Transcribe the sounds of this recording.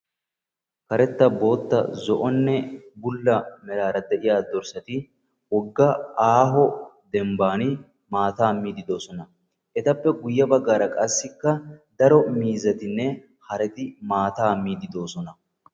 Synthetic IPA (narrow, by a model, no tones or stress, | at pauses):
kɐɾɛt̪ːɐbo̞ːt̪ːɐ̰zɔʔɔnːɛbʊlːɐmɛɾaːɾɐd̪ɛʔɪjaːd̪ɔɾsɐt̪ɪ | wɔɡːɐaːɦɔd̪ɛmbaːnɪ | maːt̪aːmiːd̪ɪd̪o̞ːsɔnɐ | ʔɛt̪ɐpːɛɡʊjːɐbɐɡːaːɾɐkʼɐsːɪkːɐd̪ɐɾɔmiːzɐt̪ɪnːɛ | hɐɾɛt̪ɪmaːt̪aːmiːd̪ɪd̪o̞ːsɔnɐ